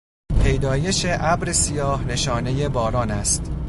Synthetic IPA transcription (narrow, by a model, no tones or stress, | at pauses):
pʰe̞jd̪ɒːje̞ʃe̞ʔæbɾesijɒːhne̞ʃɒːne̞je̞bɒːɾɒːnæst̪